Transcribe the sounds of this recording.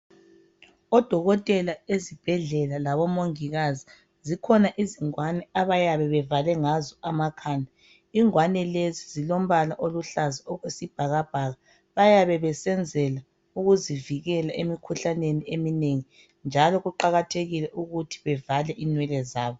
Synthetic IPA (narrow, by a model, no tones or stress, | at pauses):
ɔd̥ʱɔɣɔtʼɛlaezib̥ʱɛɮɛlalaβɔmoŋiɣazi | zikʰɔnaʔiziŋwanɛaβajaβɛβɛvalɛŋazɔamakʰaːndʱa | iŋwanɛlezizilom̩βalaʔoluɬaziɔɣwesib̥ʱaɣab̥ʱaːɣa | βajaβɛβɛsɛnd͡zʱɛla | uɣuziviɣɛlaʔemikʰuɬaneniemineŋi | nd͡ʒʱalɔɣuǃaɣatʰeɣilɛʔuɣutʰi̥βɛvalɛʔinwɛlɛzaːβɔ